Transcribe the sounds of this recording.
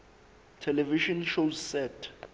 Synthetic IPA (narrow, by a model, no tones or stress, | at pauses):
tʰɛlɛviʃɔnʃozsɛtʰ